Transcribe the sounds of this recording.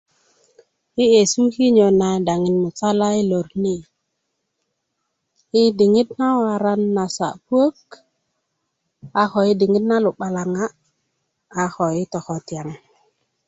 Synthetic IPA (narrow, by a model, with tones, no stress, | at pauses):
i˦je˨su˦ki˦ɲo˨na˨da˨ŋi˨nmu˨sa˦la˦i˦lo˨ɾni˦ | i˦di˨ŋi˦tna˦wa˨ɾa˦nːa˨sa̰˨pu˦o˦k | a˨xo˨i˦di˨ŋi˦tna˦lu˨ɓa˨la˨ŋa˦˨ | xo˨i˦to˨xo˨tja˨ŋ